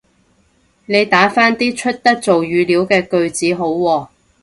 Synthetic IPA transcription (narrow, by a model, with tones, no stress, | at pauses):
ne˨˧jt̪aː˨˥faː˥nt̪iː˥t͡ʃʰɵ˥t̚t̪ɐ˥k̚t͡so˨wjyː˨˧liː˨˥wkɛː˧kɵ˧ɥt͡siː˨˥ɦo˨˥wːɔː˧